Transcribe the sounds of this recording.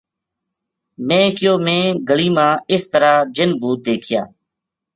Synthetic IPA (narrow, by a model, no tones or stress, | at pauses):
mẽːkɪjoːmẽːɡəliːmãːɪst̪əɾaːd͡ʒɪnbuːt̪̚d̪eːkʰɪja̰ː